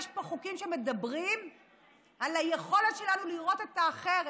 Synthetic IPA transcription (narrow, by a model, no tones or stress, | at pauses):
ʃpoχukimʃeme̞dabʁim | alaje̞χo̞le̞tʃelanuliʁo̞t̪e̞taːχeʁ